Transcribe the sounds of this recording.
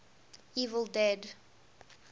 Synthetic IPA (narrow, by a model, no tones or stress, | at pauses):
iːvəlˠdɛd